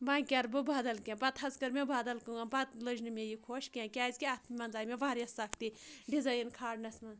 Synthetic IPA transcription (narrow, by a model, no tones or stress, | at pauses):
baːkʲɐɾbɨbaːd̪ɐlkʲẽbɐt̪ɦɐzkɐɾmʲebaːd̪ɐlkɨŋɐbɐt̪lɨd͡ʒnɨmʲejikʰoːʃkʲãːkʲaːzʲkʲiɐt̪ʰmɐnzaːjmʲeʋaːɾʲjɐsakt̪iɖizɐjinkʰaːɽnɐsmɐn